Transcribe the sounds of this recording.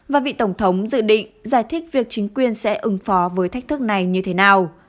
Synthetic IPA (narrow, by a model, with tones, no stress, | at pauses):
vaː˨˩vḭ˧˨t̪ə˧˩wŋ͡mt̪ʰə˨˦wŋ͡mzɨ̰˧˨ɗḭ̈˧˨ŋzaː˧˩jt̪ʰi˦˥k̟̚vi˨˩ək̚t͡ɕï˨˦ŋ̟kwi˨˩ənsɛ̰˧˥ʔɨ˨˦ŋfɔ˨˦vəː˨˦jt̪ʰa˦˥k̟̚t̪ɨ˦˥k̚na˨˩jɲɨ˧t̪ʰe˨˦naː˨˩w